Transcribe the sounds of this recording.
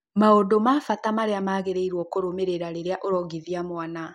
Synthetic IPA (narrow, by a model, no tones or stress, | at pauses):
maodomaːfatamaɾeamaːɣeɾeiɾwɔkoɾomeɾeɾaɾeɾeaʔoɾɔɡiðjamwana